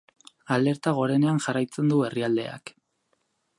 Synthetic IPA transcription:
ale̞ɾt̪aɣ̞o̞ɾe̞ne̞anʝarajt͡se̞nd̪ue̞riald̪e̞̰a̰k

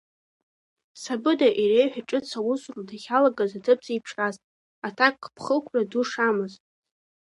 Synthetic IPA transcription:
sabɨdaʔirejħʷᶣaʈ͡ʂʼɨt͡sʰawʊsrdaχʲalaɡazatʰɨp̚ʰʼz̥ejpʈ͡ʂʰraztʼ | atʰakʼːpʰχəlkʷʰraduʂamɨztʼ

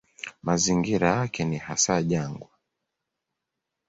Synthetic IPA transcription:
maziŋɡiɾajakɛnihasaʄaŋɡwa

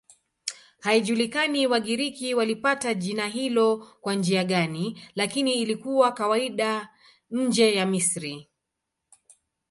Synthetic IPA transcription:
haiʄulikaniwaɠiɾikiwalipataʄinaɦilɔkwand͡ʒiaɠanilakiniːlikuwakawaiɗa | ɲ̩d͡ʒɛjamisɾi

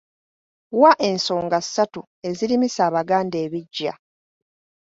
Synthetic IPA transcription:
waʔe̞nso̞ːŋɡassːatu | e̞ziɾimisaːβaɡaːnde̞ːβiɟːa̰

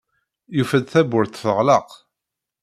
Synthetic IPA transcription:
jufæd̪θæbʊɾθθəʁləq

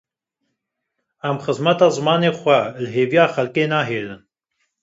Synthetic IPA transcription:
æmxəzmɛt̪ɑːzɨmɑːneːxʷɛlɦeːvijɑːxɛlkeːnɑːɦeːɾɨn

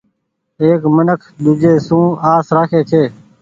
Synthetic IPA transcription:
eːkmənəkʰɗ̪ʊd͡ʒeːsũːaːsɾaːkʰeːt͡ʃʰeː

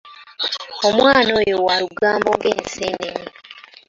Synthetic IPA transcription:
omwaːnoːjowaɾuɡaːmboŋɡeːnseːnemi

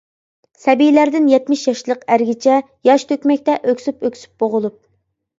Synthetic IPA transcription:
sɛbijlæɾd̪ɪnjɛt̪mɪʃjɑʃlˠəqæɾɡʲit͡ʃʰɛ | jɑʃt̪ʰøkʲmɛkʲt̪ɛʔøkʲsypøkʲsy̥p̚boʁʊlˠup̚

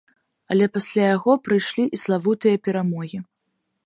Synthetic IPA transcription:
ɐlʲɛpasʲlʲajaɣɔpɾɨjʂlʲiʔislˠavut̪ɨjɐpʲɛɾamɔɣʲi

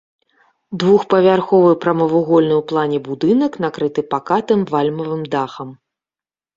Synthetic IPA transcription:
d̪vuxpɐvʲarxɔvɨpɾɐmɐvuɣɔlʲnɨwplˠanʲɛbud̪ɨnɐkn̪akɾɨt̪ɨpakat̪ɨmvalʲmɐvɨmd̪axɐm

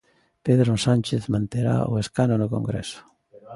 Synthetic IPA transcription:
peðɾosanʲt͡ʃeθmãnt̪eɾa̰o̰eskanonoko̰ŋɡɾeɛ̰sʊ̥

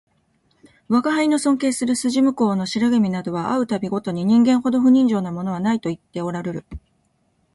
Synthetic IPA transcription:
βakaɦaino̞sõ̞ŋke̞ːsɨɾɯ̟sɨʑimɯ̟ko̞ːno̞ɕiɾaɡɯmʲinad̪o̞βaʔaɯ̟t̪abʲiɡo̞t̪o̞ɲ̟iɲ̟ĩŋɡẽ̞ɰ̃ho̞d̪o̞ɸɯ̟ɲ̟ĩɲ̟d͡ʑo̞ːnamo̞no̞β̞anait̪o̞it̪ːe̞o̞ɾaɾe̞ɾɯ̟

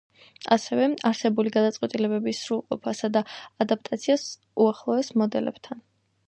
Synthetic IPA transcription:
a̰sɛvɛaɾsɛbuliɡad̪at̪sʼqʼwɛt̪ʼilɛbɛbisːɾulˠqʼɔpʰasad̪aːd̪ap̚ʰt̪ʼat̪sʰias | uaχlˠɔɛsmɔd̪ɛlɛ̰b̥t̪ʰan

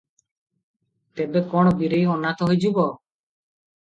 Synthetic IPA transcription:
t̪ebekɔɽ̃ɔbiɾejɔnat̪ɔɦujd͡ʒubɔ

